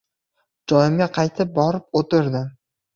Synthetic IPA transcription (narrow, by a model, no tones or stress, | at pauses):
d͡ʒɒjɪmɡʲaqʰɑjt̪ʰɪp̚bɒɾɪp̚ot̪ʰɪɾd̪ɪ